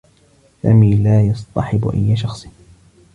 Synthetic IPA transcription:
sa̰ːmiːlaːjɑsˤt̪ˤɑħɪbʊ̰ʔa̰jːaʃɑxsˤ

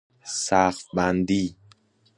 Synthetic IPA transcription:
sæxfbænd̪iː

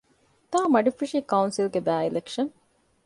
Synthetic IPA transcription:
t̪aːmɐɖifiʃikɐunsilɡebæːilekʂɐn

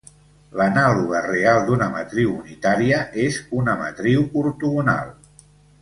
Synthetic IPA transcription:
lənaluɣ̞ərealˠd̪unəmə̰t̪ɾiwunit̪aɾiəʔezunəmə̰t̪ɾiwuɾt̪uɣuna̰lˠ

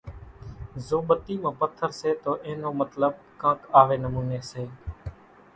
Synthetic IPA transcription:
zoːɓət̪iːmãːpət̪ʰːəɾseːt̪oːʔẽːnoːmət̪ləɓ | kãːkaːʋeːnəmuːneːseː

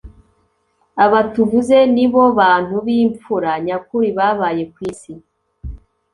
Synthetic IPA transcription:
aβatuvuze̞niβo̞βaːn̥huβiːɱp͡fuɾaɲakuɾiβaːβaːje̞kwiːsi

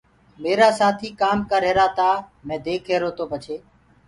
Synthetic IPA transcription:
meːɾaːsaːt̪ʰiːkaːmkaːɾɦeːɾaːt̪aːmɛ̃ːd̪eːkʰeːɾoːt̪oːpət͡ʃʰeː

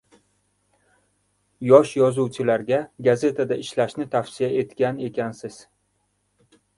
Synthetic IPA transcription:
jɒʃjɒzuwt͡ʃʰɪlaɾɡʲaɡaze̞t̪ʰad̪aɪʃlaʃnɪt̪ʰafsɪjae̞t̪kʲane̞kʲʰansɪz̥

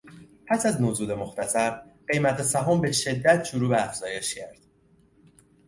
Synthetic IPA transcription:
pʰæsæznozuːd̪e̞mo̞xt̪ʰæsæɾɢe̞jmæt̪ʰesæɦɒːmbe̞ʃe̞d̪ːæt̪ʰʃoɾuːbeæfz̥ɒːje̞ʃcʰæɾd̪̥

